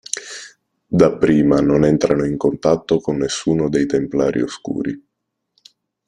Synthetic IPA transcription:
d̪apːɾiːmanonɛnt̪ɾanoiŋkont̪at̪ːokonːesːuːnod̪ejt̪empla̰ːɾʔḭoskṵːɾi

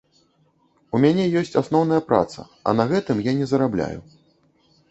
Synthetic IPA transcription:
umʲanʲɛjɔsʲt͡sʲasnɔwnɐjɐpɾa̰t̪sɐ̰ | ɐ̰nɐɣɛt̪ɨmjanʲɛzɐɾablʲa̰jṵ

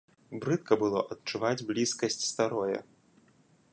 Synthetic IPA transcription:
bɾɨt̪kɐbɨlˠɔ̰ʔɐt̪t͡ʂuvad͡zʲblʲiskɐsʲt͡sʲst̪aɾɔjɐ̰

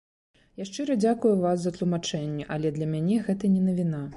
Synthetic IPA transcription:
jaʂt͡ʂɨɾɐd͡zʲakujuvaszɐt̪lˠumat͡ʂɛnʲːɛʔɐlʲɛd̪lʲɐmʲanʲɛɣɛt̪ɐnʲɛnɐvʲina

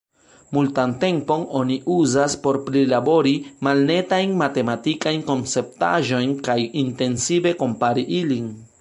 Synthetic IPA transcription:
multant̪e̞mpo̞noniʔuzaspo̞ɾpɾilabo̞ɾimalne̞tajnmat̪e̞mat̪ikajnko̞nt͡se̞p̚t̪a̰ʒo̞jnkajint̪e̞nsibe̞ko̞mpaɾiʔilin

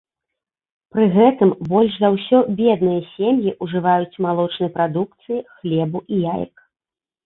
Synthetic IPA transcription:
pɾɨɣɛt̪ɨmbɔlʲʂzɐwsʲɔbʲɛd̪̚nɨjɐsʲemjiʔuʐɨvajut͡sʲmalˠɔt͡ʂnɨjpɾad̪uk̚t̪sɨjixlʲɛbuʔijajɐ̰k

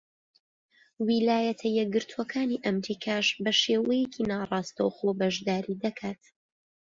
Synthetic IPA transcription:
wilaːjɐt̪ʰɐjɛɡɨɾt̪ʰuɐkʰaːniʔɐmɾiːkʰaːʃbɐʃeːwɛjɛkʰinaːrˤɑːst̪ɐwχoːbɐʒd̪aːɾid̪ɐkʰaːt̪

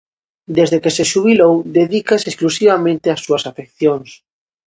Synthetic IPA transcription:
d̪ezðekeseʃuβ̞ilowd̪eðikasesklusiβamẽnt̪ɪasːuɐsafekθjoŋs

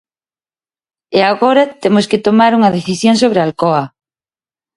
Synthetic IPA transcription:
eaɣoɾat̪emosket̪omaɾuŋɐðeθisjõŋsoβɾealkoa

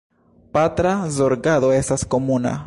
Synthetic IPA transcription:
pat̪ɾazoɾɡaðoesaskomuna̰

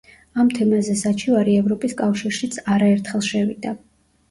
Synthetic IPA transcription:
amt̪ʰɛmazɛsat͡ʃʰivaɾiɛvɾɔpʼiskʼafʃiɾʃit̪sʰaɾaɛɾt̪ʰχɛlˠʃɛvḭd̪a

